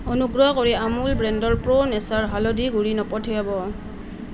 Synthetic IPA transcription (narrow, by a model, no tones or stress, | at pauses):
ɔnuɡɹɔkɔɹiamulbɹɛndɔɹpɹɔnɛsaɹɦalɔdiɡuɹinɔpɔtʰijabɔ